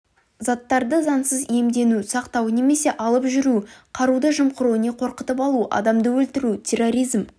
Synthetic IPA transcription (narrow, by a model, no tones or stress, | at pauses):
zɑt̪ːɑɾd̪əzɑnsəze̞md̪e̞nusɑqt̪ɑwne̞me̞se̞ʔɑlˠəpʒʏɾuqʰɑɾud̪əʒəmqəɾune̞qʰo̞ɾqət̪əpɑlˠuʔɑ̰d̪ɑmd̪əwɵlt̪ɪɾut̪ʲʰe̞rːo̞ɾijzm